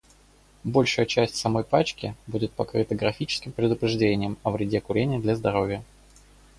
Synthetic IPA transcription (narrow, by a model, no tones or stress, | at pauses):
bo̞lʲʂɨjət͡ɕæsʲtʲsɐmo̞jpat͡ɕkʲɪ̰budʲɪt̪̚pɐkɾɨt̪əɡɾɐfʲit͡ɕɪ̥skʲɪmpɾʲɪd̪ʊpɾʲɪʐdʲenʲɪjəmɐvɾʲɪdʲekʊɾʲenʲɪjəd̪lʲɐzd̪ɐɾo̞vʲɪjə